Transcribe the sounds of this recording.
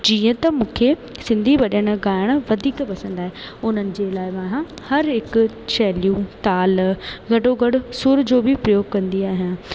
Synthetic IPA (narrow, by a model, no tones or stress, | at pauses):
d͡ʑiːə̃t̪ɐmũːkʰesɪ̃nd̪ʱiʋɐɗəɽ̃̆ɡaːɪɽ̃ʊ̆ʋɐd̪ʱiːkpɐsə̃nd̪aːɦeʊn̤ənɪ̆d͡ʑeːlaːɪmãːɦã | hɐɾɦɪkʊ | t͡ɕɛːljũt̪aːlɡɐɖoɡɐɽʊsʊɾd͡ʑoːbɪpɾɐjoːɡkɐ̃nd̪iaːɦijãː